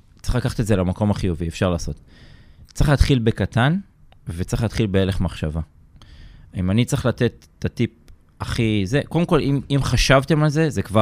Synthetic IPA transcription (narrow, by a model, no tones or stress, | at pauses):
t͡si̥χlakaχḁt̪etzelamako̞maχijuviefʃaʁlaːso̞t̪ | t͡siχlaːt̪χilbe̞kat̪an | vet͡siχlaːt̪χilbeeleχmaχʃava | imanit͡sʁiχlat̪e̞t̪ːat̪ip̚ | aχizeko̞demko̞limimχaʃavt̪e̞malze̞zekva